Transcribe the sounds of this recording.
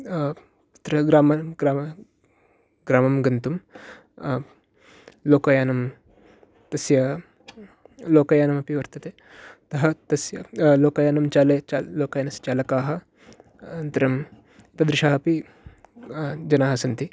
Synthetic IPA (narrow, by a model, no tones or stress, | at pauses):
t̪ɾɐɡɾaːmɐɡɾaːmɐ | ɡɾaːmɐmɡɐnt̪um | loːkɐjaːnɐm | t̪ɐsjɐ | loːkɐjaːnɐmɐpiʋɐɾt̪ɐt̪e | t̪ɐɦɐt̪ɐsjɐloːkɐjaːnɐmt͡ʃaːlet͡ʃaloːkaːjɐnɐst͡ʃaːlɐkaːɦɐ | nt̪ɐɾɐm | it̪ɐd̪ɾɪʃaːɦɐpi | d͡ʒɐnaːɦɐsɐnt̪i